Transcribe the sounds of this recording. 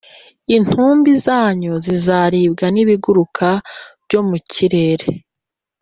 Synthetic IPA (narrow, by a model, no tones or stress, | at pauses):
in̥huːmbizaːɲozizaɾiːb̚ɡaniβiɡuɾukʰab̥ɟo̞mucʰiɾe̞ːɾe